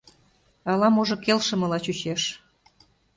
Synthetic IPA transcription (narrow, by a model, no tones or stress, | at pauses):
ɑlɑmoʒɤ̆kelʃə̆mɤ̆lɑt͡ɕut͡ɕeʃ